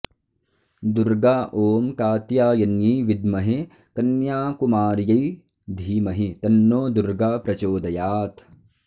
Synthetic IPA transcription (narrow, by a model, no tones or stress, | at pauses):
d̪uɾɡaːʔoːmkaːt̪jaːjɐnjiʋid̪mɐɦi | kɐnjaːkumaːɾjɐj | d̪ʱiːmɐɦit̪ɐnːoːd̪uɾɡaːpɾɐt͡ʃoːd̪ɐjaːt̪